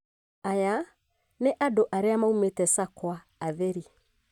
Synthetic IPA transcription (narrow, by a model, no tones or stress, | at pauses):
aja | neʔadoʔaɾeamaumetɛsakwaːðeɾi